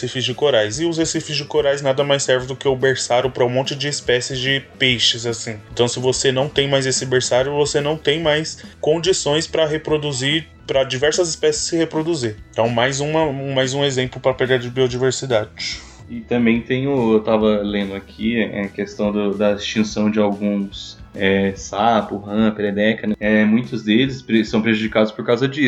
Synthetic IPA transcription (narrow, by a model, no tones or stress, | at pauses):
sifɪzd͡ʒɪkoɾajzɪʊshesifɪzd͡ʒɪkoɾajznad̪ɐmajsːɛɾvɪ̃d̪ʊkɪʊbeɾsaɾʊpɾɐũmõnt͡ʃɪd͡ʒɪːspɛsɪzd͡ʒɪpejʃɪzasĩẽt̪ɐ̃w̃sɪvosenɐ̃w̃t̪ẽj̃majzesɪbeɾsaɾjʊvosenɐ̃w̃t̪ẽj̃majskõd͡ʒisõj̃spɾɐɦepɾod̪uziɾ | pɾɐd͡ʒivɛɾsɐzɪspɛsɪ̥sɪhepɾod̪uziɾt̪ɐ̃w̃majzũmɐ̃majzũezẽmplʊpɾɐpeɡaɾd͡ʒɪbiod͡ʒiveɾsid̪ad͡ʒɪ | ɪt̪ɐ̃mbẽj̃t̪ẽj̃ʊewt̪avɐlẽnd̪ʊakʰiɛɛkest̪ɐ̃w̃d̪ʊd̪ɐist͡ʃĩsɐ̃w̃d͡ʒɪawɡũsɛsapʊɦɐ̃pɪɾɛd̪ɛkɐd̪ɐɛmũj̃t̪ʊzd̪elɪspɾsːɐ̃w̃pɾeʒud͡ʒikad̪ʊspoɾkawzɐd͡ʒiʊ